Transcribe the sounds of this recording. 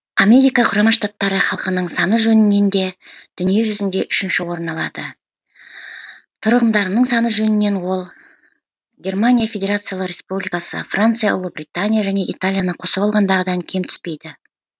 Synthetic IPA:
ame̞ɾijkɑqʰʊɾɑmɑnʃt̪at̪ːɑɾəχɑlˠqənəɴsɑnəʒɵnɪnːe̞nd̪e̞d̪̥ʏnije̞ʒʏzɪnd̪e̞ʔʏʃɪnʃɪwo̞ɾənɑlˠɑ̰d̪ə | t̪ʰʊɾəʁəmd̪ɑɾənəɴsɑnəʒɵnɪnːe̞nwo̞lˠ | ɡʲe̞rmanʲijafʲe̞dʲe̞ɾat̪sɨjalˠərʲe̞spublʲijkasə̰frant̪sɨjaʔʊ̰lˠəbrʲit̪anʲijaʒæne̞ʔit̪alʲijanəqʰo̞səbɑlˠʁɑnd̪ɑʁəd̪ɑŋkʲʰe̞mt̪ʰʏ̥spe̞jd̪ɪ

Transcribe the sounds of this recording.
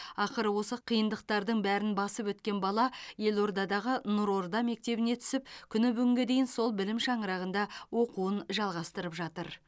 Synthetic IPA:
ɑqəɾəwo̞səqʰijənd̪əq̚t̪ɑɾd̪əɴbæɾɪnbɑsəpwɵt̪kʲe̞nbɑlˠɑje̞lo̞ɾd̪ɑd̪ɑʁənʊɾo̞ɾd̪ɑme̞k̚t̪e̞bɪne̞t̪ʰʏ̥sɪp̚kʲʰʏnɪbʏɡʲʏŋɡʲe̞d̪e̞jɪnso̞lˠbɪlɪmʃɑɴəɾɑʁənd̪ɑwo̞quənʒɑlˠʁɑst̪əɾəpʒɑt̪əɾ

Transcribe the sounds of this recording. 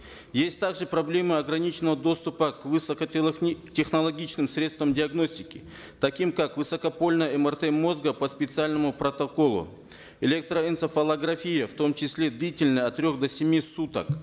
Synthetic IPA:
jesʲtʲt̪aɡʐɨpɾɐblʲe̞mɨɐɡɾɐnʲit͡ɕɪnəvəd̪o̞st̪ʊpəkvɨsəkətʲexnɐlˠɐɡʲit͡ɕnɨmsɾʲet̪st̪vəmdʲɪɐɡno̞sʲtʲɪkʲɪ̰ | t̪ɐkʲimkakvɨsɐkɐpo̞lʲnəjɛmərt̪ɛmːo̞zɡəpɐspʲɪt̪sɨalʲnəmʊpɾɐt̪ɐko̞lˠʊ̰ | elʲek̚t̪ɾəɛnsəfɐlˠɐɡɾɐfʲijəft̪o̞mt͡ɕɪsʲlʲe̞d̪lʲitʲɪlʲnəjɐt̪ːɾʲo̞xd̪ɐsʲɪmʲisut̪ə̰k

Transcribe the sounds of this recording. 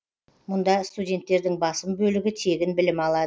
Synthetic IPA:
mʊnd̪ɑst̪udʲe̞nt̪ːe̞ɾd̪ɪŋbɑsəmbɵlɪɡʲɪt̪ʰe̞ɡʲɪnbɪlɪmɑlˠɑd̪ə

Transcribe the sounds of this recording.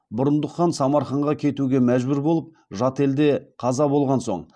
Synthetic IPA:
bʊɾənd̪əqːɑnsɑmɑɾχɑɴʁɑkʲʰe̞t̪uɡʲe̞mæʒbʏɾbo̞lˠəp̚ | ʒɑt̪e̞ld̪e̞qʰɑzɑbo̞lˠʁɑnso̞̰ɴ

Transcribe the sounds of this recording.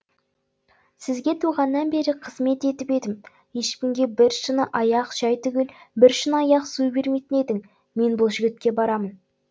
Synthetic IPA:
sɪzɡʲe̞t̪ʰuʁɑnːɑnbe̞ɾɪqʰəzme̞t̪e̞t̪ɪpe̞d̪ɪm | je̞ʃpʲɪŋɡʲe̞bɪɾʃənəʔɑjɑqʒ̥ɑjt̪ʏɡʲɪlbɪɾʃənɑjɑqsujbe̞ɾme̞jt̪ɪne̞d̪ɪŋ | me̞nbʊlˠʒʏɡʲɪt̪̚kʲe̞bɑɾɑmən

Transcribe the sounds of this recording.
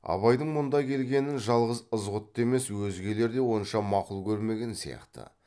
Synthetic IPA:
ɑ̰βɑjd̪əɴmʊnd̪ɑkʲʰe̞lɡʲe̞nɪnʒɑlˠʁəzəzʁʊt̪ːe̞me̞swɵzɡʲe̞le̞ɾd̪e̞wo̞nʃɑmɑqʊlˠkʲʰɵɾme̞ɡʲe̞nsḭjɑ̰qt̪ə̰

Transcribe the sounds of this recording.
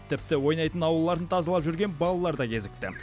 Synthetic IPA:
t̪ʰɪp̚t̪ɪwo̞jnɑjt̪ənɑwəlˠːɑɾd̪ət̪ʰɑzɑlˠɑpʒʏɾɡʲe̞nbɑlˠɑlˠɑɾd̪ɑkʲʰe̞zɪk̚t̪ɪ̰

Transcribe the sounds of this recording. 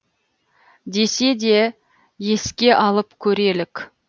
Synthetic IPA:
d̪e̞se̞d̪e̞ | je̞skʲe̞ʔɑlˠəpkʲʰɵɾe̞lɪkʲ

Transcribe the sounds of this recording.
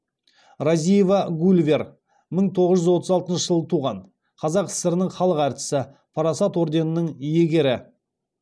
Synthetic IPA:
ɾazijevɑɡulʲvʲe̞r | məɴt̪ʰo̞ʁəzʒʏzwo̞t̪əzɑlˠt̪ənʃəʒəlˠət̪ʰuʁɑɴ | qʰɑzɑqɪ̥sɪɾɪnɪŋχɑlˠəqæɾt̪ɪ̥sɪ | pʰɑɾɑsɑt̪wo̞ɾd̪e̞nənəɴje̞ɡʲe̞ɾɪ

